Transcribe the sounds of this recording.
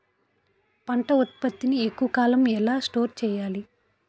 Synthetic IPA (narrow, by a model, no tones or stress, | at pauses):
pɐɳʈɐut̪̚pɐt̪ːiniekːuʋɐkaːlɐmɛlaːsʈo̞ːɾt͡ʃɛːjaːli